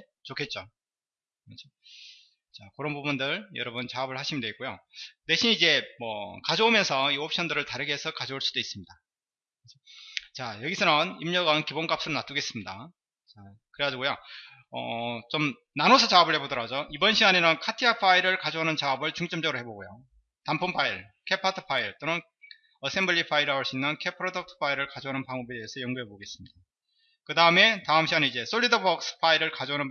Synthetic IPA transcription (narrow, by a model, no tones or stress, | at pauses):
e | t͡ɕokʰe̞t̚t͡ɕ͈o | at͡ɕʰo | t͡ɕakɯɾʌnbubundɯɾjʌɾʌbunt͡ɕaʌbɯɭhaɕʰimindweik͈ojone̞ɕʰinid͡ʑe̞mwʌkad͡ʑoomjʌnsʰʌiop̚ɕ͈ʌndɯɾɯɭtaɾɯɡeesʰʌkad͡ʑouɭs͈ud̥ois͈ɯmɲida | kɯɾesʰʌt͡ɕajʌɡisʰʌnʌnimɲʌɡankibonk͈ap̚s͈uɾonat͈uɡe̞s͈ɯmɲida | t͡ɕa | kɯɾeɡad͡ʑiɡojo | ʌ̰t͡ɕom | nanosʰʌt͡ɕaʌbɯɭhebodʌɾad͡ʑoibʌnɕʰiɡanenɯnkʰatʰiapʰaiɾɯɭkad͡ʑoɦanɯnt͡ɕaʌbɯɭt͡ɕuŋt͡ɕ͈ʌmd͡ʑ͈ʌɡɯɾoɦe̞boɡojo | tampʰumpʰaiɭ | kʰe̞pʰatʰɯ̥pʰaiɭt͈onɯn | ʌs͈ʰe̞mbʌʎːipʰaiɾaɦoɭs͈uinːɯnkʰepʰɯɾodʌk̚tʰɯ̥pʰaiɾɯɭkad͡ʑoanɯnpaŋobe̞deːsʰʌjʌŋɡuɦe̞boɡe̞s͈ɯmɲida | kɯdaɯme̞taɯmɕʰiɡanid͡ʑe̞s͈ʰoʎːidʌbʌk̚s͈ʰɯ̥pʰaiɾɯɭkad͡ʑoanɯn